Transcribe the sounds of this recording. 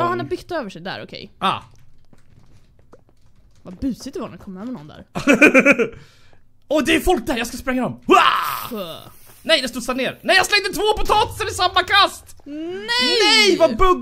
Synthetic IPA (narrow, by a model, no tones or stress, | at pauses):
hanabʏt̪ːøːvəʂɛjd̪æ̰ɾɔkʰɛ̰jɑ̰ː | vabʉ̟ːsɪt̪əvanɛkʰɔmːøːvəɳnɔ̰nd̪æ̰ːɾ | ɔd̪ɛjɵfɔlk̚d̪æːɾjɑskaspɾɛŋːad̪ɔma | nɛjd̪ɛst̪uːd̪saneːɾnɛjaslɛŋd̪ət̪ʰvoːpɔt̪ʰɑːt̪ɪ̥sənɪsamːakʰast̪nɛnɛjvabɵ